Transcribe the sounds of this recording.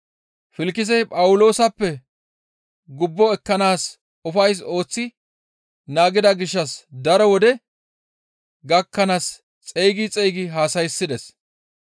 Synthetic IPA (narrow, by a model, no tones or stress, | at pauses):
fɪlkːɪz̬ɛjpʼɐwʊlo̞ːsɐpːɛ | ɡʊbːɔɛkːɐnaːs | ʊfɐjs̬o̞ːt͡sːɪ | naːɡɪd̪ɐɡɪʃːɐsd̪ɐɾɔwɔd̪ɛ | ɡɐkːɐnas | t͡sʼejɡɪt͡sʼɛjɡɪɦaːsɐjsːɪd̪ɛs